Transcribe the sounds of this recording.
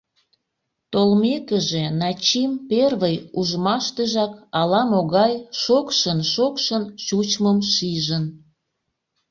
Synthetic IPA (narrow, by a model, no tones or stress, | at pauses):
t̪olmekəʒenɑt͡ɕimperβəjuʒmɑʃt̪əʒɑkɑlɑmoɣɑjʃokʃənʃokʃənt͡ɕut͡ɕməmʃiʒən